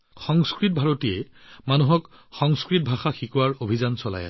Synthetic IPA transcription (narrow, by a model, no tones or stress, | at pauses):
xɔŋskɹit̚bʱaɹotijɛ | manuɦɔkxɔŋskɹit̚bʱaxaxikuwaɹobʱizansɔla̰jɛ̰